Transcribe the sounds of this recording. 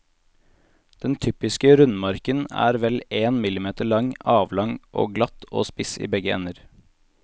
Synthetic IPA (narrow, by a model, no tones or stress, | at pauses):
d̪̥ɛnt̪ʰypɪskəɾʉnmɑɾkənæ̰ːɾʋɛleːnmɪlɪmeːt̪əɭɑŋɑːʋlɑŋʔo̰ːɡlɑt̪ʔo̰ːspɪsḭːbɛɡəɛ̰nəɾ